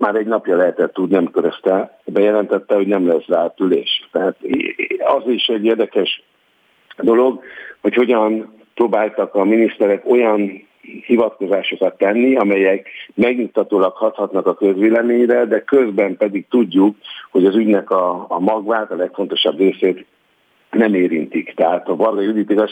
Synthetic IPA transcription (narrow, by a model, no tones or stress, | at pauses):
maːɾɛɟnɒpjɒlɛɦɛt̪ɛt̪ːud̪nɛmkøɾɛst̪ɛ | bɛjɛlɛnt̪ɛt̪ːɛho̞ɟnɛmlɛsraːt̪ylḛːʃt̪ɛɦaːt̪ɒziʃɛɟːeːrd̪ɛkɛʃ | d̪o̞lo̞ɡho̞cho̞ɟɒn | proːbaːlt̪ɒkɒminist̪ɛɾɛko̞jɒn | hivɒt̪ko̞zaːʃo̞kɒt̪ːɛnːiɒmɛjɛkmɛɡɲut̪ːɒt̪oːlɒkhɒt̪hɒt̪nɒkɒkøzʋeːlɛmeːɲrɛd̪ɛkø̞zbɛmpɛd̪ik̚t̪uɟːukho̞ɟɒzyɟnɛkɒːmɒɡvaːt̪ɒlɛkfo̞n̪t̪o̞ʃɒbreːseːt̪ | nɛmeːɾint̪ikt̪ɛɦaːt̪ɒvɒrɡɒjd̪it̪ikɒ